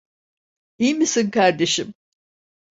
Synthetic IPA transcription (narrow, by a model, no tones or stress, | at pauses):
ijmisinkaɾd̪e̞ʃim